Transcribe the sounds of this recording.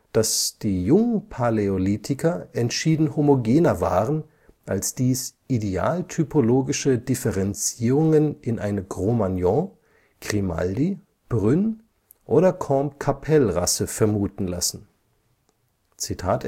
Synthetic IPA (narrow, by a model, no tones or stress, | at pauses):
d̥asd̥iːjʊŋənpʰaleoliːtʰɪkʰɐʔɛntʃiːdn̩homoɡeːnɐva̰ːʁən | ʔalsd̥iːsʔidea̰ːltʰypʰoloːɡɪʃədɪfɛʁɛnt͡siːʁʊŋənʔɪnʔa̰ɪnəɡʁomanjɔ̃ | ɡ̥ʁima̰ldi | b̥ʁʏn | ʔoːɾɐkʰɔmkʰapʰɛlʁa̰səfɛɐmuːtn̩la̰sn̩ | t͡sitʰaːt